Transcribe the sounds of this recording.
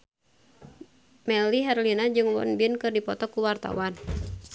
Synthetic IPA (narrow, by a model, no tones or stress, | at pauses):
mɛliɦɛrlinad͡ʒɨŋwɔ̰nbinkɨrdipɔt̪ɔkuwart̪a̰wan